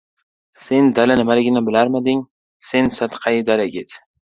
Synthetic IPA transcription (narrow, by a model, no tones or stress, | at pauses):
se̞nd̪alanɪmalɪɡʲɪnɪbɪlaɾmad̪ɪŋ | se̞nsat̪qʰɑjd̪alaɡʲet̪